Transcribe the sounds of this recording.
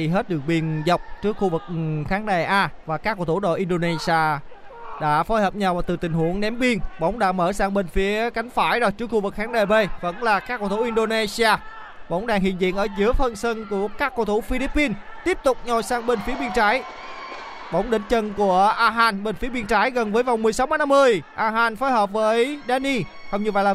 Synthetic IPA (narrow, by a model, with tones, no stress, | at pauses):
i˧ɦe˦˥t̚ɗɨ˨˩əŋ̚ɓi˧ənza˨˩wk͡p̚t͡ɕɨ˦˥ək̚xu˧vɨ˨˩k̚xaː˨˦ŋɗa˨˩ʔaː˧vaː˨˩kaː˦˥kːo˧˩t̪u˧˩ɗo̰˧˨ʔi˧nɗo˧ne˧si˧aː˧ | ɗa̰ː˧˥fo˨˦jhəː˨˩p̚ɲa˨˧˩wvaː˨˩t̪ɨ˨˩t̪ï˨˩ŋ̟hu˧˩əŋɗɛ˨˦mvi˧ənɓə̰˧˥wŋ͡mɗa̰ː˧˥məː˧˩saː˧ŋɓe˧nfi˨˦əka˨˦jŋ̟faː˧˩jɗo˧˩jt͡ɕɨ˦˥əkxu˧vɨ˨˩k̚xaː˨˦ŋɗe˨˩ɓe˧və̰˧˥nlaː˨˩kaː˦˥kːoː˧˩t̪ʰu˧˩ʔi˧nɗo˧ne˧si˧aː˧ | ɓə̰˧˦wŋ͡mɗaː˧˩ŋɦḭ˧˨ənzḭ˧˨ənʔəː˧˩zɨ˨˦əfə˧nsə˧nku˧˩əkaː˦˥kːo˧˩t̪ʰu˧˩fi˧li˦˥pːi˧n | t̪i˦˥əp̚t̪ʊ˨˩k͡p̚ɲɔ˨˩saː˧ŋɓe˧n̟fi˨˦əɓi˧ənt͡ɕaː˨˦j | ɓə̰˧˦wŋ͡mɗï˧˥˦ŋ̟t͡ɕə˧nku˧˩əʔaː˧ɦaː˧˩nɓe˧˩nfi˨˦ɓi˧ənt͡ɕaː˨˦jɣə˨˩nvəː˨˦jva˨˩wŋ͡mmɨ˨˩əjsa˨˦wma˨˦na˧mːɨ˧əjʔaː˧ɦaː˧˩nfo˨˦jɦəː˨˩p̚vəː˨˦jɗaː˧ni˧hə˧ŋ͡mɲɨ˧və̰˧˨jlaː˨˩